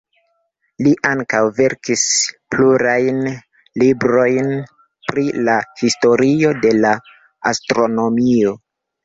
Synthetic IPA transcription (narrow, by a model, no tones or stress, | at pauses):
liʔaŋkawve̞ɾkispluɾajn | libɾo̞jn | pɾilahisto̞ɾio̞de̞la | astɾo̞no̞mio̞